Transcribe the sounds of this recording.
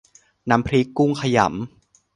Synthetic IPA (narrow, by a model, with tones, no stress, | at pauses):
na˦˥mpʰɾi˦˥kːu˥˩ŋkʰa˧ja̰˩˦m